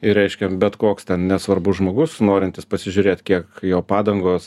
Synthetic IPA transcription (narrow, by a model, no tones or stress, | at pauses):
ɪɾʲɛɪʃʲkʲɛbʲɛt̪koːkst̪ʲɛnnʲɛsʋɐɾbʊsʒmoːɡʊsnoːɾʲɪnt̪ʲɪspɐsʲɪʒʲʊɾʲeːt̪ʲkʲiɛkjoːpɑːd̪ɐŋɡoːs